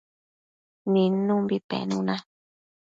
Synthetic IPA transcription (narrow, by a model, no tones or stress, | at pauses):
nĩnũmbit̪ḛ̃nũnã